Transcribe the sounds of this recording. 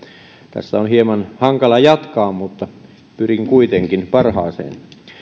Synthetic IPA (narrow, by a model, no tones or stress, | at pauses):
t̪æ̰sːæonhiemɑnhɑŋkɑlɑjɑt̪kɑːmmut̪ːɑ | pyriŋkuit̪eŋkinpɑrhɑ̰ːsḛːn